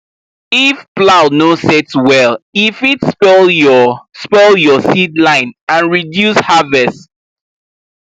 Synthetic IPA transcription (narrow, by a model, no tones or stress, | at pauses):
ifplaʊnosɛtswɛlifitspɛljɔspɛljɔsidlãɪ̃nãnɹidjushavɛst